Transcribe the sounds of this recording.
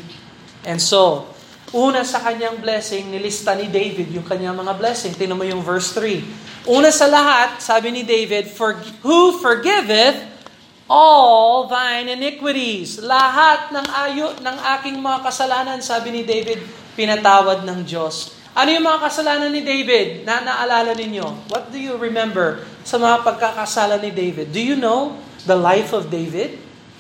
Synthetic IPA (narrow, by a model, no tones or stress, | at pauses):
ʔɛnso | ʔuːnɐsɐkɐɲaŋblɛsɪŋnɪlɪst̪anɪd̪ejvɪd̪jʊŋkɐɲːaŋmɐŋablɛsɪŋt̪ɪnɐmɐjʊŋvɛɹsθɹiʔuːnɐsɐlɐɦat̪̚saːbɪnɪd̪ejvɪd̪̚foɹhufɔɹɡɪvɪθ | ʔolvajnɪnɪkwɪɾislɐɦat̪̚nɐŋʔaːjoʔnɐŋʔaːkɪŋmɐŋakɐsɐlaːnɐnsaːbɪnɪd̪ejvɪd̪̚ | pɪnɐt̪aːwɐd̪̚nɐŋd͡ʒo̞s | ʔɐnojʊŋmɐŋakɐsɐlaːnɐnːɪd̪ejvɪd̪̚nɐnɐʔɐlaːlɐnɪɲowɐt̪̚d̪ʊjʊɹɪmɛ̃mbɛɹsɐmɐŋapɐɡ̚kakɐsaːlɐnɪd̪ejvɪd̪̚ːʊjunow | ðɐlajfɔvd̪ejvɪd̪̚